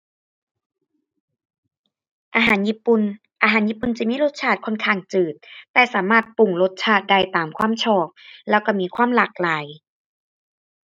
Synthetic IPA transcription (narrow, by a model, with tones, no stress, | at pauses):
ʔaː˧ɦaː˨˩˦nji˦˧˥pu˧˩n | ʔaː˧ɦaː˨˦njiː˦˧˥pːu˨˩nt͡ɕi˨˧˩miː˧˥˨lo˧˥t̪̚t͡ɕʰaː˧˩t̪̚kʰɔ˧˥nkʰaː˧˩ŋt͡ɕɯː˨˩t̪̚ːɛː˧˩saː˩˦maː˧˥˩t̪̚pu˨˩ŋlo˦˧˥t̪̚t͡ɕʰaː˧˩t̪̚da˧˩jt̪aː˨˩mkʰwaː˧˥˨mt͡ɕʰɔː˧˩k̚lɛː˧˥˩wka˧˩miː˧˥˨kʰwaː˧˥˨mlaː˨˩k̚laː˨˦j